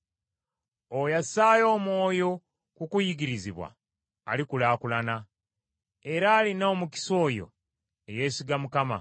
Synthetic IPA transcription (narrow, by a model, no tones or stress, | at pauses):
ojasaːjo̞ːmwo̞ːjo̞ | kukujiɡiɾiziβwa̰ː | likulaːkulana | e̞ɾaːlinaːmuci̥so̞ːjo̞̰ | eje̞ːsiɡamukama̰